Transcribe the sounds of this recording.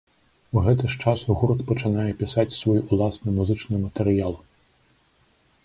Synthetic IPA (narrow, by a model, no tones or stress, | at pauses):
uɣɛt̪ɪʂt͡ʂasuɣuɾt̪pɔt͡ʂɪnajɛpʲisat͡sʲsʋɔjulˠasnɨmuzɨt͡ʂnɨmɐt̪ɛɾɪjalˠ